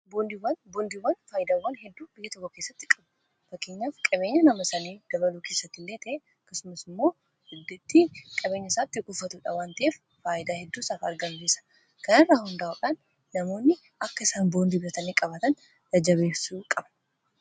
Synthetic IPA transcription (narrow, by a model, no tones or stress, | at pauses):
boːnd̪iwɐnboːnd̪iwɐnfaːjɪd̪aːwɐnhɛd̪ːuːbɪjːɛt̪ɔkːɔke̞ːsːɐt̪ːɪkʼɐb | fɐkːeːɲːaːfkʼɐbe̞ːɲːɐnɐmɐsɐniːd̪̥ɐbɐluːkeːsːɐt̪ːɪlːeːt̪ʰɐʔeɐɐkːɐsʊmɐsɪmːo̞ː | ɪd̪ːɪt̪ːɪkʼɐbeːɲːɐɪsaːt̪ːɪɡʼʊfːɐt̪uːᶑɐwaːnt̪ɐʔeːfːaːʔɪd̪aːhɛd̪ːuːsaːfɐɾɡɐnɡeːsɐ̥ | kɐnɐrːaːhʊnd̪aːʔʊᶑaːnː | ɐmo̞ːnːɪ | ɐkːɐɪsaːnboːnd̪iːbɪɾɐt̪ɐniːkʼɐbɐt̪ɐn | d̪ɐd͡ʒɐβe̞ːsuːkʼɐbɐ̥